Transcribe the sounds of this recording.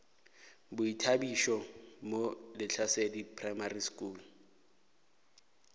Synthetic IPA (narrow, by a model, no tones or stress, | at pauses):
bʊitʰabiʃɔmolɪt͡ɬʰasedipʰrajmariskuːl